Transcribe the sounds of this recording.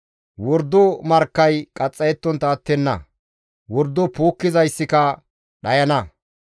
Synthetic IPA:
wɔɾd̪ɔmɐɾkːɐjkʼɐt͡sʼːɐjɛt̪ːɔnt̪ɐːt̪ːɛnːɐ̰ | wɔɾd̪ɔpoːkːɪzɐjsːɪkɐ | ɗɐjɐnɐ

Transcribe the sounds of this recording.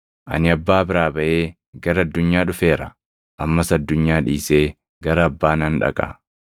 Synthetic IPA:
ʔɐ̰nɪɐbːaːbɪɾaːbɐʔeː | ɡɐɾɐɐd̪ːʊɲːaːᶑʊfe̞ːɾɐ̰ | ʔɐmːɐsɐd̪ːʊɲːaːᶑiːseː | ɡɐɾɐːbːaːnɐnᶑɐ̰kʼɐ̰

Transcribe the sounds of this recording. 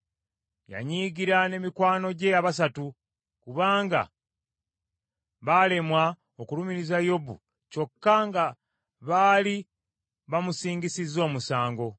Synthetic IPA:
ja̰ɲiːɡiɾane̞mikwaːno̞ɟe̞aβas̬atu | kuβaːŋɡa̰ | βale̞mwa | okulumiɾizajo̞bṵ | co̞kːaŋɡa | βaːli | βamusiːŋɡisizːo̞ːmusaːŋɡo̞

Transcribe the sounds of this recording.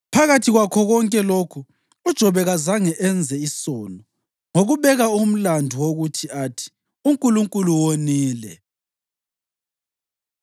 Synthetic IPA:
pʰaɣatʰiɣwakʰɔɣɔŋkʼɛlokʰu | ud̥ʒ̥ʱɔβɛɣazaŋɛʔɛnd͡zʱɛisɔːnɔ | ŋoɣuβɛɣaum̩landʱuwoɣutʰiatʰi̥ | uŋkʼuluŋkʼuluwoniːlɛ̰

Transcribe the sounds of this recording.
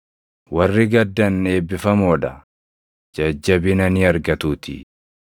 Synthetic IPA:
wɐrːɪɡɐd̪ːɐne̞ːbːɪfɐmoːᶑɐ | d͡ʒɐd͡ʒːɐbɪnɐniɐɾɡɐt̪uːt̪ɪ̰

